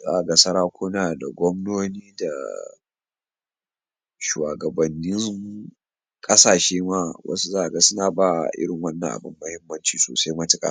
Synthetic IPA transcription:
za̰ː˦ʔa˨ɡa˦˨sɐ˦ɾaː˦kʷʰoː˦naː˨da̰˨ɡʷɔ˦mnoː˦niː˦da˨ | ʃu˨wa̰˨ɡɐ˨bɐ˨nːɪ˦ŋ | kʼɐ˦saː˨ʃeː˦maː˦wʔɐ̰˦su˦zaː˦ʔa˨ɡa˦sʊ˦naː˨baː˦˨ʔɪ̰˦ɽɪ˨ŋwɐ˦nːɐ̰˨ŋʔa̰˨bɪ˦mːɐ˦hɪ˦mːɐ˦nt͡ʃiː˨so̰ː˨sa˦jmɐ˦tɪ˨kʼa̰ː˨

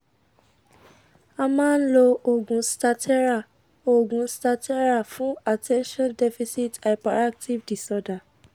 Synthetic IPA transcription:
a˧mã˦n̩˦lo˧o˨ɡũ˨sta˧tʰɛ˦ɾa˦˨ | o˨ɡũ˨sta˧tʰɛ˦ɾa˦˨fũ˦a˨tʰɛ̃˦nʃɔ̃˦ndɛ˦fi˦si˦ta˨ɪ˨pa˨ɾa˦k̚tʰi˦vdi˨sɔ˦da˨

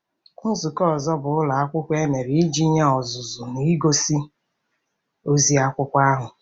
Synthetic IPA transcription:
kʊ˦n̩˦zʊ˨kɔ˦ɔ˨zɔ˦bʊ˨ʊ˦la˨a˦kʷʊ˦kʷe˦me˨ɾi˨i˦d͡ʒi˦ɲa˦ɔ˨zʊ˨zʊ˨ni˨i˦ɡo˦si˦ | o˦zi˦a˦kʷʊ˦kʷa˦ɦʊ˨

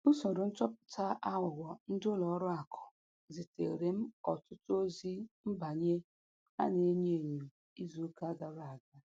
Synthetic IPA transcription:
u˦so˨ɾʊ˨n̩˦t͡ʃɔ˦pʊ̥˨ta˦ʔa˦ŋʷʊ˨ɡʷɔ˨n̩˦dʊ˦lɔ˨˦ɾʊ˦a˨kʰɔ̥˨ | zi˨tḛ˨ɾe˨m̩˦ɔ˨tʊ˦tʊ˦o˦zi˦m̩˦ba˨ɲe˦ | a̰˦ne˨e˦ɲe˦˨ɲu˨ | i˦zu˨˦ka˦ɡa˨ɾa˦˨a˨ɡa˦

